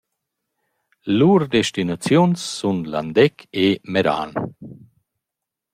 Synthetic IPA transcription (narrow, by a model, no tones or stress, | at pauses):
luːɾd̪eʃt̪inat͡sjunsːunla̰nd̪ɛkʰemeɾa̰ːn